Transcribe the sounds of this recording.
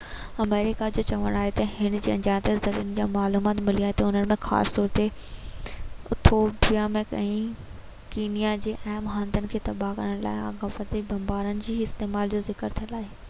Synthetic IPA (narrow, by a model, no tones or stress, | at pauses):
ɐmeːɾɪkad͡ʑoːt͡ɕɐʋə̃ɽ̃aːɦet̪ɐɦɪɽ̃̆d͡ʑiːɐ̃ɲd͡ʑaːt̪ezɐɾiːənɪ̆d͡ʑaːmaːluːmaːt̪mɪlijaːɦẽt̪ɐʊnənɪ̆mẽxa̰ːst̪ɔːɾt̪e | ʊ̰t̪ʰoːbijamẽkɛ̃i | kiːnijad͡ʑeːʔɐɦmɦãːnd̪ənɪ̆kʰeːt̪ɐbaɦkɐ̰ɾəɽ̃la̰ːɪa̰ɡɐfət̪ibɐmbaːɾənɪ̆d͡ʑiːɪst̪eːmaːld͡ʑozɪkəɾt̪ʰiə̃laːɦe